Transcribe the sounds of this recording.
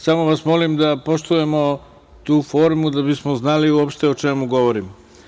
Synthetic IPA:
samo̞ʋasmo̞limd̪apo̞ʃt̪uje̞mo̞ | t̪uːfo̞ːɾmud̪abismoznaliuopʃt̪e̞o̞t͡ʃemuɡo̞ʋo̞ɾim

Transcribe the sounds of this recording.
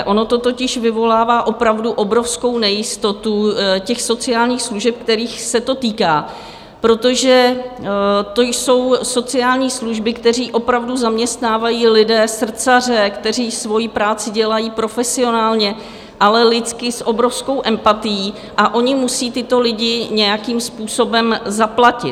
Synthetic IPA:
ʔo̞no̞t̪o̞t̪o̞cɪʃvɪvo̞laːvaːʔo̞pɾavduʔo̞bɾo̞fsko̞wnɛjɪst̪o̞t̪ucɛxso̞t͡sɪaːlɲiːxsluʒɛp̚kt̪ɛɾiːxsɛt̪o̞t̪iːkaː | pɾo̞t̪o̞ʒɛ | t̪o̞jso̞wso̞t͡sɪaːlɲiːsluʒbɪkt̪ɛr̝iːʔo̞pɾavduzamɲɛst̪naːvajiːlɪdɛːsr̩t͡sar̝ɛkt̪ɛr̝iːsvo̞jipɾaːt͡sɪɟɛlajiːpɾo̞fɛsɪo̞naːlɲɛ | ʔalɛlɪt͡skɪsʔo̞bɾo̞fsko̞wʔɛmpat̪ɪjiː | ʔaʔo̞ɲɪmusiːt̪ɪt̪o̞lɪɟɪɲɛjakiːmspuːso̞bɛmzaplacɪ

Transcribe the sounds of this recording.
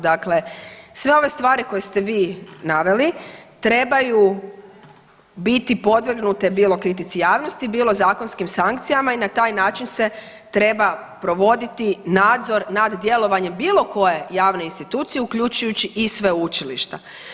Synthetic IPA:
d̪akle̞sʋe̞o̞ʋe̞st̪ʋaːɾiko̞jest̪eʋiːnaʋe̞lit̪ɾe̞baju | bit̪ipo̞d̪ʋr̩ɡnut̪ebiːlˠo̞kɾit̪̬it̪sijaːʋno̞st̪ibiːlˠo̞zaːko̞nskimsaŋk̚t̪sijamainat̪aːjnaːt͡ʃinse̞ | t̪ɾe̞bapɾo̞ʋo̞d̪it̪inaːd̪zo̞ɾnad̪d̪je̞lˠo̞ʋaɲe̞mbiːlo̞ko̞je̞jaːʋne̞inst̪it̪uːt̪sijeukʎut͡ɕujut͡ɕiʔisʋe̞ut͡ʃilḭʃt̪a

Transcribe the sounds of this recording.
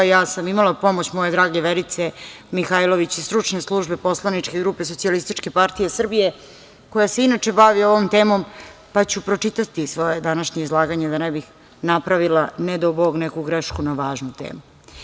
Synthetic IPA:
jaːsamimalˠapo̞mot͡ɕmo̞je̞d̪ɾaːɡeʋeɾit̪semixajlo̞ʋit͡ɕist̪ɾut͡ʂɲeslˠuʒbepo̞slˠanit͡ʂke̞ɡɾupe̞sot̪sialist̪it͡ʃke̞paɾt̪ije̞sr̩bije̞ | ko̞jase̞inat͡ʃe̞baʋio̞ʋo̞mt̪eːmo̞m | pat͡ɕupɾo̞t͡ʂit̪at̪isʋo̞je̞d̪anaʃɲeizlˠaːɡaɲed̪anebix | napɾaʋilaned̪oboɡnekuɡɾeʃkunaʋaːʒnut̪ḛːmu

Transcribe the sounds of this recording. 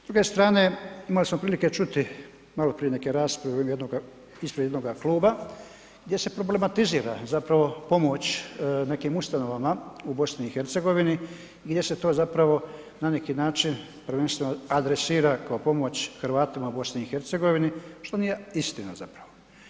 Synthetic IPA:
zd̪ɾuɡe̞st̪ɾaːne̞imalismo̞pɾiːlike̞t͡ʃut̪i | malo̞pɾije̞ne̞ke̞ɾaːspɾaʋejed̪noɡa | ispɾed̪jenoɡakluːba | ɡd̪je̞se̞pɾo̞ble̞mat̪iziːɾazapɾaʋo̞po̞mo̞t͡ɕne̞kiːmust̪ano̞ʋamaubo̞sniːxe̞ɾt̪se̞ɡo̞ʋini | iɡd̪ʲje̞set̪o̞ːzapɾaʋo̞ | nane̞kiːnaːt͡ʃin | pɾʋe̞nst̪ʋenoad̪ɾesiːɾakaopo̞mo̞t͡ɕxɾʋaːt̪imaubo̞sniixe̞ɾt̪se̞ɡo̞ʋiniʃt̪o̞nije̞ist̪ina̰zapɾaʋo

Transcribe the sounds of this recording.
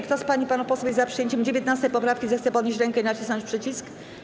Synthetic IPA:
kt̪ɔspaɲipanupɔswujɛzapʂɨjeɲt͡ɕɛmd͡ʑevʲjɛt̪nast̪ɛjpɔpɾafkʲizɛxt̪sɛpɔd̪ɲeɕt͡ɕ̬ɾɛŋkɛinat͡ɕisnɔɲt͡ɕʲpʂɘt͡ɕisk

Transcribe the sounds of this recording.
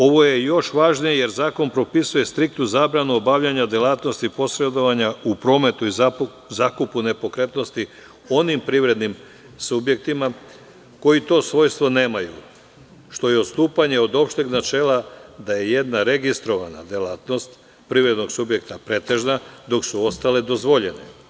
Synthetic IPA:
o̞ʋo̞je̞jo̞ʃʋaːʒnijeje̞ɾzaːko̞npɾo̞pisuje̞st̪ɾik̚t̪nuzaːbɾanuobaʋʎaɲad̪jelaːt̪no̞st̪ipo̞sɾe̞d̪o̞ʋaɲaupɾo̞ːme̞t̪uiza | zakupune̞po̞kɾe̞t̪no̞st̪i | o̞nimpɾiʋɾe̞d̪nim | subje̞k̚t̪ima | ko̞it̪o̞ːsʋo̞ːjst̪ʋo̞ne̞ːmaju | ʃt̪o̞jeot̪st̪uːpaɲe̞od̪o̞pʃt̪eɡnat͡ʃe̞ːlad̪aje̞je̞d̪naɾe̞ɡist̪ɾo̞ʋana̰d̪jelaːt̪no̞st̪ | pɾiʋɾe̞d̪no̞ɡsubje̞kt̪apɾe̞t̪e̞ʒnad̪o̞ksuo̞st̪ale̞d̪o̞zʋo̞ʎe̞nḛ

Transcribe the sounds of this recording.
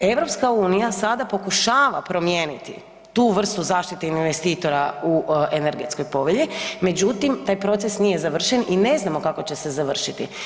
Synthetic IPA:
e̞ʋɾo̞pskauːnijasad̪apo̞kuʃaːʋa̰pɾo̞mjeːnit̪ḭ | t̪uʋr̩st̪uzaːʃt̪it̪einʋest̪iːt̪o̞ɾaueneɾɡe̞t̪sko̞jpo̞ʋeʎime̞d͡ʑut̪imt̪aːjpɾo̞t̪sesnije̞zaʋr̩ʃe̞nine̞znamo̞kako̞t͡ɕe̞se̞zaʋr̩ʃit̪ḭ

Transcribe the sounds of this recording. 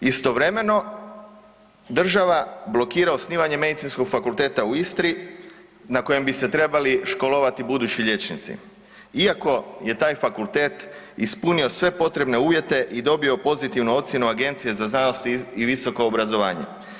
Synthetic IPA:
ist̪o̞ʋɾe̞me̞no̞ | d̪r̩ʒaʋablo̞kiːɾao̞sniːʋaɲe̞me̞d̪it̪sinsko̞ɡfakulˠt̪e̞ːt̪auist̪ɾi | nako̞je̞mbise̞t̪ɾe̞baliʃko̞loʋat̪ibud̪uːt͡ɕiʎe̞t͡ʃnit̪sḭ | iako̞je̞t̪aːjfakulˠt̪e̞ːt̪ispunio̞sʋe̞po̞t̪ɾe̞bne̞uːʋje̞t̪e̞ʔid̪o̞bio̞po̞zit̪iʋnuo̞t̪sjenuaɡe̞nt̪sije̞zaznanost̪iiʋiso̞ko̞ːbɾazo̞ʋa̰ːɲḛ

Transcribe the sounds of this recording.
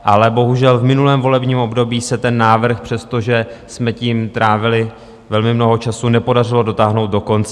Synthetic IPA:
ʔalɛbo̞ɦuʒɛlvmɪnulɛːmvo̞lɛbɲiːmʔo̞bdo̞biːsɛt̪ɛnːaːvr̩xpr̥ɛst̪o̞ʒɛsmɛciːmt̪ɾaːvɪlɪ | vɛlmɪmno̞ɦo̞t͡ʃasunɛpo̞dar̝ɪlo̞do̞t̪aːɦno̞wt̪̚do̞ko̞nt͡sɛ

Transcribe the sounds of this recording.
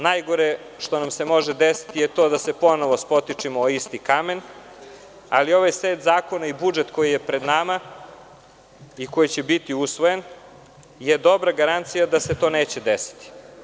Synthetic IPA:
najɡo̞ɾe | ʃt̪o̞namse̞mo̞ʒed̪esi̥t̪ijet̪o̞ːd̪ase̞po̞no̞ʋospo̞t̪it͡ʂimoist̪ikame̞n | alio̞ʋajseːt̪zaːko̞naibud͡ʒet̪ko̞jije̞pɾe̞d̪nama | iko̞jit͡ɕebit̪iusʋo̞jen | jed̪o̞bɾaɡaɾant̪sijad̪aset̪o̞ːne̞ːt͡ɕed̪esi̥t̪i̥

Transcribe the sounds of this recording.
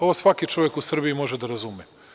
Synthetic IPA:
oʋosʋakit͡ʃoʋjekusr̩biimo̞ʒed̪aɾazume

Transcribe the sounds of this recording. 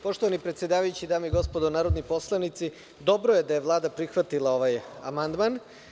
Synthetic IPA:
po̞ʃt̪oʋanipɾet̪sʲjed̪aːʋajut͡ɕid̪aːmoiɡo̞spod̪onaːɾo̞d̪nopo̞slˠanit̪si | d̪o̞bɾoje̞d̪ajeʋlˠaːd̪apɾixʋat̪ilˠao̞ʋaja̰mand̪man

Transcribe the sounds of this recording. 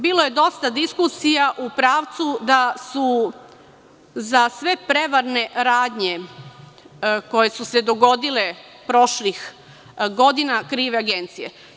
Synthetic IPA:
biːlo̞je̞d̪o̞st̪ad̪iskusijaʔupɾaːʋt̪sud̪asu | zasʋe̞pɾe̞ʋaɾne̞ɾaːd̪ɲe | ko̞je̞suse̞d̪o̞ɡo̞d̪ile | pɾo̞ʃlix | ɡo̞d̪inakɾiːʋeaɡent̪sijḛ

